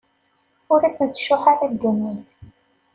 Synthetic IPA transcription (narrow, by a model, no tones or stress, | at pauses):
ʊɾæsənt̪ʃʊħaɾæd̪unːiθ